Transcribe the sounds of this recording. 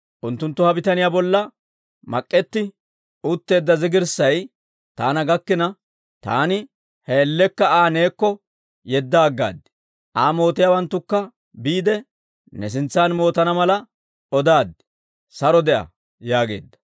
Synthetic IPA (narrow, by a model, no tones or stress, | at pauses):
ʔʊnt̪ːʊnt̪ːʊhɐbɪt̪ɐnɪjaːbɔlːɐ | mɐ̰kʼːɛt̪ːɪ | ʊt̪ːe̞ːd̪ːɐzɪɡɪɾsɐj | t̪aːnɐɡɐkːɪnɐ | t̪a̰ːnɪ | heɛlːɛkːɐaːne̞ːkːɔ | jɛd̪ːaːɡːa̰ːd̪ɪ̥ | ʔaːmo̞ːt̪ɪjaːwɐnt̪ːʊkːɐ | biːd̪ɛ | nɛs̬ɪnt͡sːaːnmo̞ːt̪ɐnɐmɐlɐ | ɔd̪aːd̪ɪ̥ | sɐɾɔd̪ɛʔɐ̰ | jaːɡe̞̰ːd̪ːɐ̥